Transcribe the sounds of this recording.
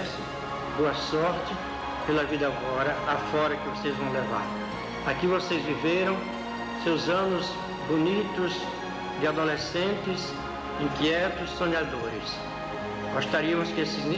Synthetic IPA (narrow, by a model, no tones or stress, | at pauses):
s | boɐsɔɾt͡ʃɪ | pelɐvid̪ɐaɡɔɾɐafɔɾɐkɪvosejzvɐ̃w̃leva̰ɾ | akivosezviveɾɐ̃w̃ | sewzɐ̃nʊz | bonit̪ʊs | d̪ɪad̪olesẽnt̪ɪs | ĩkiɛt̪ʊsːõɲad̪oɾɪ̰s | ɡ̥ost̪aɾiɐmʊskɪesɪzn